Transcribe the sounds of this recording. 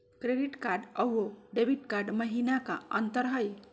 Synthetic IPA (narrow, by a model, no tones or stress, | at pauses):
kɾeɖiʈkaɾɖəwoɖebʱiʈkaɾɖməɦinaka̰ənt̪əɾɦəj